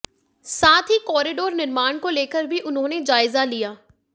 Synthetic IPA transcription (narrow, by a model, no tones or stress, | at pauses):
saːt̪ʰɦikɔːɾiɖoːɾnɪɾmaːnkoleːkəɾbʱiʔʊnɦõːned͡ʒaːɪzalijaː